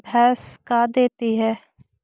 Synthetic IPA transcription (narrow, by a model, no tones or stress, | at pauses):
bʱɛːskaːd̪eːt̪iɦɛː